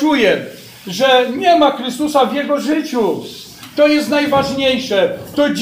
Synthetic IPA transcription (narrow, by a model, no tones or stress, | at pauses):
ujɛ | ʐɛɲɛmaxɾɘst̪usavʲjɛɡɔʐɘt͡ɕu | t̪ɔjɛst̪najvaʐɲejʂɛt̪ɔd͡ʑ